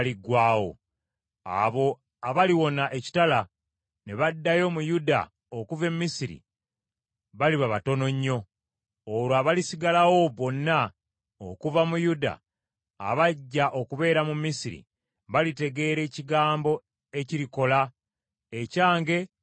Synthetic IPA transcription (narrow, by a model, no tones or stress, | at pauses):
liɡwaːwo̰ | a̰βo̞ | aβaliwo̞naʔe̞ci̥tala | ne̞βadːajo̞mujuda̰ | okuve̞mːisiɾḭ | βaliβaβato̞no̞ɲːo̞ː | ɾwaβalisiɡalawo̞βo̞nːa | okuvamujuda̰ː | βaɟːaʔo̞kuβe̞ːɾamumisiɾḭ | βalite̞ɡe̞ːɾe̞ːciɡaːmbo̞ | e̞ciɾiko̞la | ecaːŋɡe̞